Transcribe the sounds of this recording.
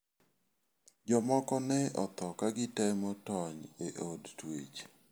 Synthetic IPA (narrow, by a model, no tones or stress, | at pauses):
d͡ʒɔmɔkɔnɛɔ̰t̪ɔkaɡɪtɛmɔtɔɲeʔodtwḛt͡ʃ